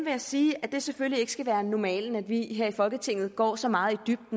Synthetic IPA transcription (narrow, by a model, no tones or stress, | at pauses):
ʋe̝jasiːæd̥e̝sefølie̝ɡ̥ə̥sɡ̥æʋæːɐnɒmɛ̰ːln̩æd̥ʋiɦeɐ̰ifɒ̽lɡ̥ət͡sʰe̝ŋ̰ð̩ˠɡ̥ɒ̰ːsɒ̽mɑ̈ːð̩ˠid̥yb̥̚d̥n